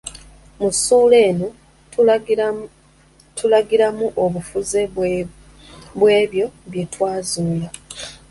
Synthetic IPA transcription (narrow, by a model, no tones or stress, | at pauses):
musuːle̞ːno | tʰulaɡiɾamuʔoβufuze | βwe̞ːβjo̞βje̞twaːzuːla